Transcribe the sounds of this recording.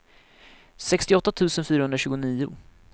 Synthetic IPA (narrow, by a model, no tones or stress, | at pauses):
sɛkst̪ɪɔt̪ːat̪ʰʉ̟ːsənfyːɾaɵnɾaɕʉ̟ːɡʊniːʊ̰